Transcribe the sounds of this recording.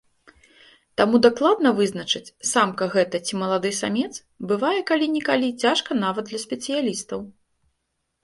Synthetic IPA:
t̪amud̪aklˠad̪nɐvɨznɐt͡ʂɨt͡sʲsamkɐɣɛt̪ɐt͡sʲimɐlˠad̪ɨsamʲɛt̪s | bɨvajɛkalʲinʲikalʲit͡sʲaʂkɐnavɐd̪d̪lʲɐsʲpʲɛt̪sɨjalʲist̪ɐw

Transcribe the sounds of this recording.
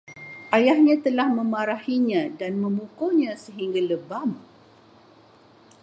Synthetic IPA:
ʔajahɲãt̪əlahmə̃maɾahiɲãdanmə̃mukoɲãsəɦiŋɡaləbam

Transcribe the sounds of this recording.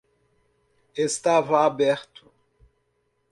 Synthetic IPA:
est̪avɐabɛɾt̪ʊ̥

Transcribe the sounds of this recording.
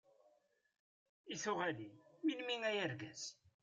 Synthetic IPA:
iθʊʁæliilmiŋæjəɾɡæs

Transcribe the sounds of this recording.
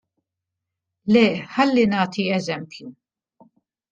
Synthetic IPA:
lɛːħɐlːinɐːt̪iɛzɛmpju

